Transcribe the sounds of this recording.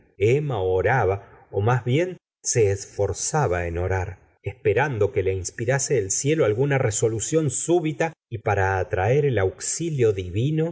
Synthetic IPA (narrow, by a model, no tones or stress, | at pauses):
emaooɾaβaomazβje̞n | se̞ːsfo̞ɾsaβaeno̞ɾaɾ | espe̞ɾand̪o̞ke̞leinspiɾaseːlsje̞loalɣunareso̞lusjo̞nsuβit̪aipaɾaːt̪ɾaeɾelawksiljo̞ðiβino̞